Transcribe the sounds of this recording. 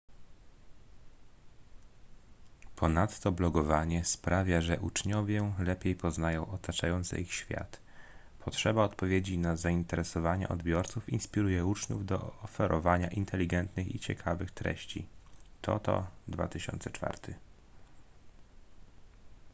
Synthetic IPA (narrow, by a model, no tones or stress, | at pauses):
pʰɔnat̪ːɔblɔɡɔvaɲɛspɾavʲjaʐɛʔut͡ʂɲɔvʲjɛlɛpʲejpɔznajɔ̃w̃ʔɔt̪at͡ʂajɔnt̪sɛ̰ixɕfʲja̰t̪ | pʰɔtʂɛbaɔt̪pɔvʲjed͡ʑinazaint̪ɛɾɛsɔvaɲɛ̰ʔɔd̪bʲjɔɾt̪sufḭnspʲiɾujɛut͡ʂɲṵvd̪ɔ̰ɔfɛɾʔɔvaɲa̰ʔint̪ʰɛlʲiɡɛnt̪nɘxit͡ɕɛkʰavɘxt̪ɾɛ̰ɕt͡ɕḭt̪ʰɔ̰t̪ɔ̰d̪va̰t̪ɘɕɔ̰nt̪sɛt͡ʂfa̰ɾt̪ʰɘ